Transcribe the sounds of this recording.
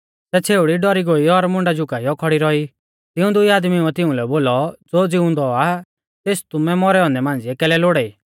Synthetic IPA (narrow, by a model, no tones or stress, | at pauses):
tɛt͡sʰeːʊɽiɖɔɾiɡoiɔɾmʊ̃ɳɖad͡ʒʊkaiɔkʰɔɽiɾɔi | t̪ɪũd̪ʊiaːd̪miuɛt̪ɪũlɛboːlɔd͡zoːd͡zɪũnd̪ɔa | t̪eːst̪ʊmɛmɔɾɛɔ̃ːnd̪ɛmãːn̆d͡ziɛkɛːlɛloɽɛiː